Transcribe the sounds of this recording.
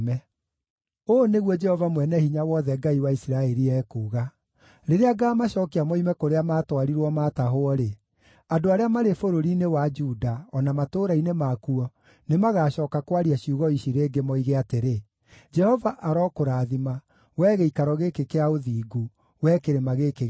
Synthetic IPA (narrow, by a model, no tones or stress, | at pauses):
mɛ | oneɣwɔd͡ʒɛhɔvamwɛnɛhiɲawɔðɛɡaiwaisiɾaɛɾiɛːkuːɣa | ɾeɾeaɡaːmaʃɔːkeamɔimɛkoɾeamaːtwaɾiɾwɔmaːtaɦoɔɾe | adoaɾeamaɾefoɾoɾinewad͡ʒudaɔnamatoɾainemakuɔ | nemaɣaɕɔːkakwaɾiaɕiuɣɔiʃiɾeːɡemɔiɣeateɾe | d͡ʒɛhɔvaʔaɾɔkoɾaðima | wɛːɣeikaɾɔɣekekeaoðiːɡu | wɛkeɾemaɣekeɣ